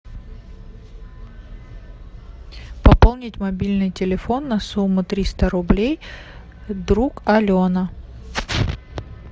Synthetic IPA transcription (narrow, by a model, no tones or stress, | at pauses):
pɐpolˠnʲɪtʲmɐbʲilʲnɨjtʲɪlʲɪfo̞nːɐsumːʊt̪ɾʲist̪əɾʊblʲej | d̪ɾukɐlʲonə